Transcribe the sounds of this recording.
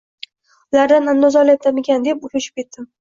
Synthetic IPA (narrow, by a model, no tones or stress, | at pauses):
ʊlaɾd̪anand̪ɒzɒlat̪ʰamɪkʲand̪e̞pʊfɪʃɪp̚kʲe̞t̪ːɪm